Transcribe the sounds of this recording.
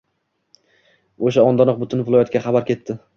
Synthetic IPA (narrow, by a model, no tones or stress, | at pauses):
oʃaɒnd̪ɒnɒq̚bʊt̪ʰʊnvɪlˠɒjɒt̪̚ɡʲaχɑbaɾkʲʰe̞t̪ʰːɪ